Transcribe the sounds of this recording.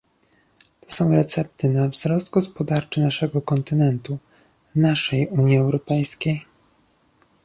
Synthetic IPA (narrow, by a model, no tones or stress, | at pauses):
t̪ɔ̥sɔ̃w̃ɾɛt̪sɛp̚t̪ɘnavz̥ɾɔsd̪ɡɔspɔd̪aɾt͡ʂɘnaʂɛɡɔkɔnt̪ɘnɛnt̪u | naʂɛjuɲjiɛwɾɔpɛjskʲej